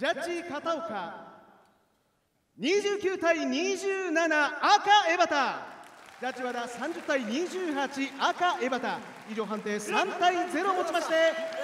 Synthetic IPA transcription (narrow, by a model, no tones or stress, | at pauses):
d͡ʑat͡ɕikat̪aoka | ɲ̟iʑɨːkʲɨːt̪aiɲ̟iʑɨːnanaːkae̞bat̪a | d͡ʑat͡ɕiβad̪asãɲ̟d͡ʑɨt̪ːaiɲ̟iʑɨːhat͡ɕiʔakae̞bat̪a | id͡ʑo̞ːɦãnt̪e̞ːsãnt̪aize̞ɾo̞mo̞t͡ɕimaɕi̥t̪e